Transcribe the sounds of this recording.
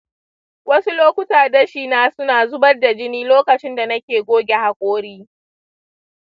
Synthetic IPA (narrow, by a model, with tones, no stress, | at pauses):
wɐ˦su˦loː˦kʷʊ˦taː˨dɐ˦ʃiː˦˨naː˦sʊ˦naː˨zʊ˦bɐ˦rda˨d͡ʒɪ˦niː˦loː˦kɐ˨t͡ʃɪ˦nda˨nɐ˦kʲeː˨ɡʷoː˦ɡʲe˨ha˨kʷʼoː˦ɽiː˦